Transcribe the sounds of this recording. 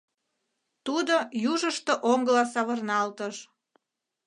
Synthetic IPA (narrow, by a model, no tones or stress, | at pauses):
t̪ud̪ojuʒəʃt̪oʔoŋɡəlɑsɑβərnɑlt̪əʃ